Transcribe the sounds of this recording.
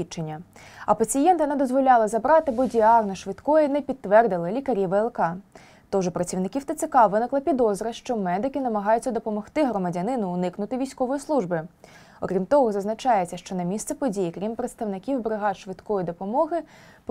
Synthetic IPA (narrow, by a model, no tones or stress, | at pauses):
it͡ʃenʲːɐ | ɐpɐt͡sʲijɛnt̪ɐnɛd̪ɔzʋɔlʲɑlˠɪzɐbɾɑt̪ɪbɔdʲiɑrnɐʃʋɪt̪kɔjɛnɛpʲid̪̚ʋɛrd̪ɪlˠɪlʲikɐɾʲiʋɛlˠkɑ | t̪ɔʒɛpɾɐt͡sʲiwnɪkʲiwt̪ɐt̪sekɑʋɪnɪklˠɐpʲid̪ɔzɾɐʃt͡ʃɔmɛd̪ɪkɪnɐmɐɦɑjʊt͡sʲːɐd̪ɔpɔmɔxt̪ɪɦɾɔmɐdʲɐnɪnʊːnɪknʊt̪ɪʋʲijsʲkɔʋɔjislˠuʒbɪ | ɔkɾʲimt̪ɔɦɔzɐznɐt͡ʃɑjet͡sʲːɐʃt͡ʃɔnɐmʲist̪sɛpɔdʲijikɾʲimpɾet̪st̪ɐwnɪkʲiwbɾɪɦɑʃʋɪt̪kɔjid̪ɔpɔmɔɦɪ | p